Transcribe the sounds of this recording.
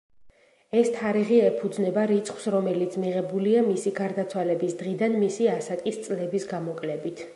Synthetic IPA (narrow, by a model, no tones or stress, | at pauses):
ɛst̪ʰaɾiʁiɛpʰud̪znɛbaɾit̪sʰχwsɾɔmɛlit̪sʰmiʁɛbuliamisiɡaɾd̪at̪sʰwalɛbisd̪ʁid̪anmisiasakʼist̪sʼlɛbisɡamɔkʼlɛbit̪ʰ